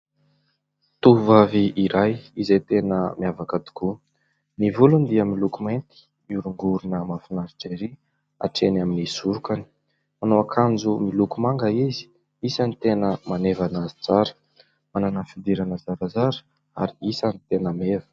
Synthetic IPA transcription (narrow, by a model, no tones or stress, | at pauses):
t̪uvaviʔiɾajizet̪enəmiavakad̪i̥ku | nivulund̪iəmilukument̪i̥ | miuɾuŋɡuɾunəmafinaɾiʈ͡ʂeɾi | a̰ʈ͡ʂenaminisuɾukani̥ | manoakʰand͡zumilukumaŋɡəizi̥ | isanit̪enəmanevanazit͡saɾə̥ | mananəfid̪iɾanəzaɾazaɾə̥ | aɾiisanit̪enəmevə̥